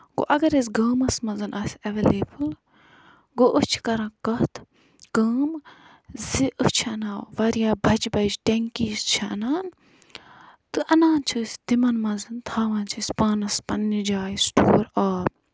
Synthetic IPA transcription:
ɡo̰ʔɐɡɐɾisɡɐːmɐsmɐzɐnʔɐsʲɐʋeːleːbɨl | ɡoʔəht͡ʃʰi̥kɐɾɐ̃ːkɐht̪ʰ | ɡ̥əːm | ziʔɨht͡ʃʰiɐnãːʋɐɾjaːbʱɐt͡ʃbɐt͡ʃʈeŋkiːst͡ʃʰɐʔɐnaːn | t̪ɨʔɐnaːnt͡ʃʰɨsʲd̪imɐnmɐnzɨnt̪ʰaːʋɐːnt͡ʃʰisʲpaːnɐspɐnːid͡ʒaːjisʈʰoːɾaːp

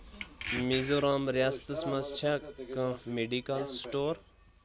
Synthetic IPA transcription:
mizoɾaːmɾjaːst̪əsmɐst͡ʃʰakə̃meɖikalsʈoːɾ

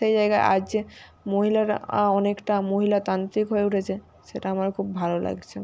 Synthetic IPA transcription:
ʃejd͡ʑajɡaeʔa̰d͡ʑe | moɦilaɾa̰ɔnekʈamoɦilat̪ant̪ikɦoeuʈʰet͡ɕʰe | ʃeʈaamaɾkʰubbʱalolʔa̰ɡt͡ɕʰe

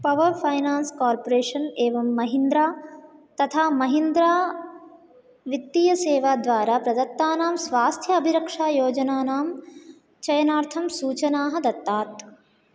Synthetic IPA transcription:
pɐʋɐɾpʰɐjnaːnskaːɾpoɾeːʂɐneːʋɐmːɐɦind̪ɾaːt̪ɐt̪ʰaːmɐɦind̪ɾaː | ʋit̪ːijɐseːʋaːd̪ʋaːɾaːpɾɐd̪ɐt̪ːaːnaːmsʋaːst̪ʰjɐɐbʱiɾɐkʂaːjoːd͡ʒɐnaːnaːm | t͡ʃɐjɐnaːɾt̪ʰɐmsuːt͡ʃɐnaːɦɐd̪ɐt̪ːaːt̪

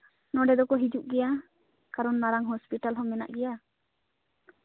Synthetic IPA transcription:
nɔɖɛd̪ɔkɔɦid͡ʒuʔɡɛja | kaɾɔnmaɾaŋɦɔspiʈalɦɔmɛna̰ʔɡɛja

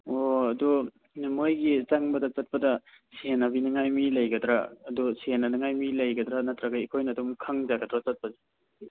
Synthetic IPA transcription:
oɐdɔ | numojɡizaŋbɐdat͡ʃɐt̚pɐda | sienabinaŋajmilɐjɡɐdɾaːdɔsienanaŋajmilɐjɡɐdɾanatɾaɡaikʰojnadumkʰaŋzaɡɐdɾat͡ʃat̚pɐzi

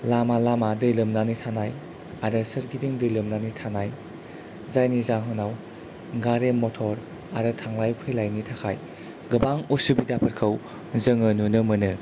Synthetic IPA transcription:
lamalamadɯlɯmnanitʰanaj | aɾɯsɐɾɡidiŋdɯlɯmnanitʰanaj | zajnizaŋɦɔnaw | ɡaɾemːotʰɔɾ | aɾɯtʰaŋlajpʰɯjlajnitʰakʰaj | ɡɯbaŋusubidapʰɐɾkʰəw | zɐŋɯnunɯmɯnɯ

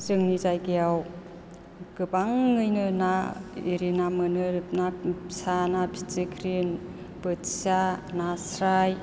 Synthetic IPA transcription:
zɯŋnizajkijaw | kɯbaŋːɯjnɯnaiɾinamɯnɯɾɯp̚nasanapʰi̥t͡sikʰɾin | pɯtsanasɾaj

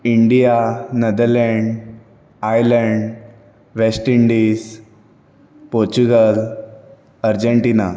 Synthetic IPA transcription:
iɳɖijanəd̪əɾleɳɖ | ajləɳɖ | ʋesʈiɳɖis | poɾt͡ɕuɡəl | əɾd͡ʑeɳʈina

